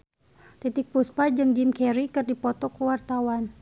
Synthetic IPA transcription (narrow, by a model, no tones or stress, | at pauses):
t̪it̪ɪk̚puspad͡ʒɨŋd͡ʒimkɛɾikɨrdipɔt̪ɔkuwart̪awan